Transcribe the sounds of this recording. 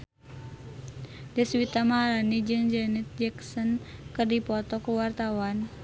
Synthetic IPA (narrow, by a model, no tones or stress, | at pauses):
dəswit̪amaaɾanid͡ʒɨŋd͡ʒɛnit̪̚d͡ʒɛksɔnkɨrdipɔt̪ɔkuwart̪awan